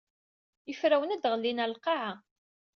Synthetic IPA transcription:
jəfɾæwənæd̪ʁəlːinælqɑʕa

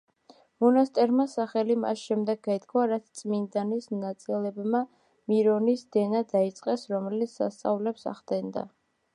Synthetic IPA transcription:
mɔnast̪ʼɛɾmasaχɛlima̰sʃɛmd̪ɛɡɡad̪ɡʰwaɾat̪sʰt̪sʼmind̪anisnat̪sʼilɛbma | miɾɔnisd̪ɛnad̪ait̪sʼqʼɛsɾɔmɛlit̪sʰsa̰st̪sʼa̰vlɛpsa̰ʁd̪̥ɛnd̪a̰

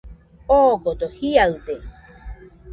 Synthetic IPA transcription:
okot̪ohiaɯt̪e

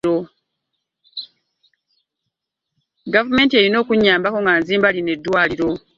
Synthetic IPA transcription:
o̞ | ɡavume̞ːntieɾino̞ːkuɲːaːmbako̞ŋɡanziːmbaline̞dːwaːliɾo̞

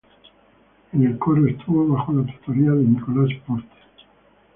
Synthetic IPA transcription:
enelkoɾoest̪ʰuβoβaxolat̪u̥t̪oɾiaðenikolaspoɾt̪e̥

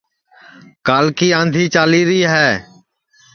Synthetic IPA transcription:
kaːlkiːãːnd̪ʱiːt͡ʃaːliːɾiːɦɛː

